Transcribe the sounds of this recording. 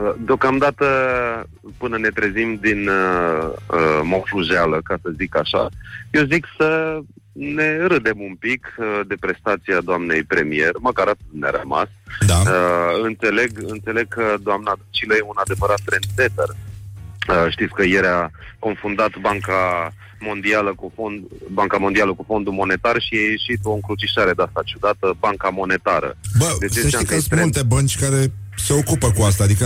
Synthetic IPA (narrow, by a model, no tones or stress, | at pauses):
əd̪eo̞kamd̪at̪ə | pɨnəne̞t̪ɾe̞zimd̪in | əmofluʒealəkasəzikaʃa̰je̞wziksə | ne̞ɾɨd̪emumpikd̪e̞pɾe̞st̪at̪siad̪oamne̞jpɾe̞mije̞rməkaɾat̪t̪nea̰ɾəma̰saəɨnt̪se̞le̞ɡɨnt̪se̞le̞ɡ̚kʰəd̪oamnad̪ut͡ʃiləjeunad̪e̞vəɾat̪t̪ɾe̞nd̪fe̞t̪ər | əʃt̪itsʲkəjeɾako̞nfund̪at̪baŋka | mo̞nd̪ialəkufond̪baŋkamo̞nd̪ialəkufo̞nd̪umo̞ne̞t̪arʃiajeʃit̪o̞ɨŋkɾut͡ʃiʃaɾe̞d̪east̪at͡ʃud̪at̪əbaŋkamo̞ne̞t̪aɾə̰bəd̪et͡ʃesakst̪ɾmeult̪e̞bənt͡ʃʲkaɾe̞se̞o̞kupəkuast̪aːd̪ikə